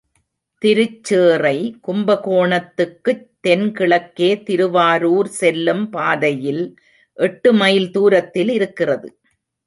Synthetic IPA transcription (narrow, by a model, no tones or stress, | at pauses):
t̪ɪɾɯt͡ʃːeːrɐɪkʊmbɐkoːɳɐt̪ːɯkːɯt̪ːɛnkɪɭɐkːeːt̪ɪɾɯʋaːɾuːɾsɛlːɯmpaːðɐjɪl | ʔɛʈːɯmɐjlt̪uːɾɐt̪ːɪlɪɾɯkːɪrɐðɯ